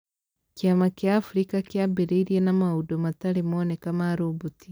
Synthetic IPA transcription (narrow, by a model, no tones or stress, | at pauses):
kiamakjaːfuɾikakjabeɾeiɾienamaudomataɾemonikamaːɾobuti